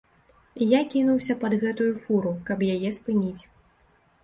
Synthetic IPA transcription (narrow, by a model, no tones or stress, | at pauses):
jakʲin̪uwsʲɐpɐd̪ɣɛt̪ujufuɾukɐpjajɛspɨnʲit͡sʲ